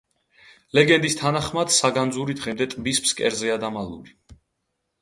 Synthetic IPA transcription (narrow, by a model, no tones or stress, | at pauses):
lɛɡɛnd̪ist̪ʰanaχmad̪̥saɡand̪zuɾid̪ʁɛmd̪ɛt̪ʼbispskʼɛɾzɛad̪amalˠṵɾi